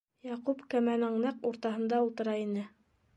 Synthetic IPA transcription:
jɑqupkæmænɘŋnæquɾt̪ɑɦɤ̆nd̪ɑulˠt̪ɤ̆ɾɑinɘ

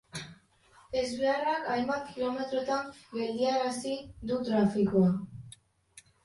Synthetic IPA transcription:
e̞zβe̞arakajmbat̪kilo̞me̞t̪ɾo̞t̪ambe̞ld̪iaɾasid̪ut̪ɾafikoa

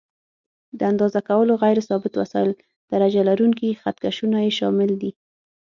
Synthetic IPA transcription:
d̪əand̪ɑzakawəloɣajɾɪsɑbɪt̪wa̰sɑɪl | d̪̥aɾad͡ʒalaɾuŋkixat̪kaʃunajeʃɑmɪld̪i

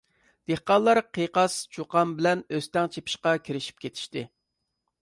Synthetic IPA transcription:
d̪̥eχqɑnlˠːɑɾqʰeqɑst͡ʃʰoqɑnbɪlɛnøst̪ɛŋt͡ʃʰepʰɪ̥ʃqɑkʲʰiɾɪʃi̥p̚kʲet̪ʰi̥ʃt̪ɪ

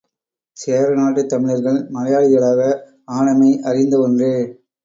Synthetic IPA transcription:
seːɾɐnaːʈːɯt̪ːɐmɪɭɐɾɣɐɭmɐlɐjaːɽɪɣɐɭaːɣɐ | aːnɐmɐɪʔɐrɪnd̪ɐɔndrɯ

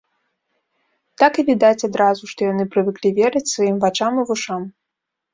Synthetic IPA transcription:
t̪akɨvʲid̪at͡sʲad̪ɾazuʂt̪ɔjan̪ɨpɾɨvɨklʲivʲɛɾɨt͡sʲsvajimvat͡ʂamɨvuʂam

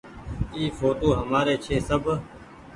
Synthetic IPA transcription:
iːfoːt̪oːɦəmaːɾeːt͡ʃʰeːsəb

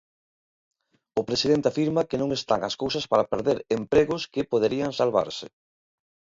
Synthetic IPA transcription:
ʊpɾesið̞ent̪eafiɾmɐkenõŋest̪aŋɐskowsɐspaɾapeɾðeɾempɾeɣʊskɪpoðeɾiɐŋsalβa̰ɾsɪ

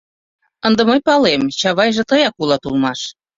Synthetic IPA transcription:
ənd̪ə̆məjpɑlemt͡ɕɑβɑjʒĕt̪ɤjɑkulˠɑt̪ulmɑʃ

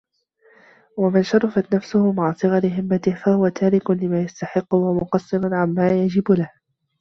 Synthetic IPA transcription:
wamɪnʃɑɾˤɑfat̪nafsʊhʊmaʕsˤɨɣɑɾɪɦɪmːat̪ɪhfahʊwat̪aːɾɪkʊnlɪmaːjast̪aħɪqːʊwamʊqɑsˤːɨɾʊnʕamːaːjad͡ʒɪbʊlah

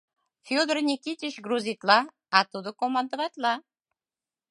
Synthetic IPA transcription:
fʲod̪ərnʲikʲit̪ʲiɕɡruzʲit̪lˠɑː | t̪ud̪okomand̪əvat̪ʲlˠɑ

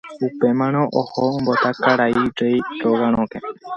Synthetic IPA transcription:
upemãɽ̃õʔohombot̪akaɾajɖejɾoɡãɾ̃õke

